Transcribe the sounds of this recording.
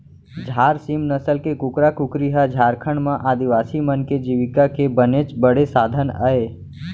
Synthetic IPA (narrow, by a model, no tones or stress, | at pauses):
d͡ʒʱaːɾsimnəsəlkekʊkɾakʊkɾiɦad͡ʒʱaːɾkʰəɳmãʔaːd̪iʋaːsimənked͡ʒiːʋɪkakebənet͡ʃbəɽesaːd̪ʱəna̰ːeː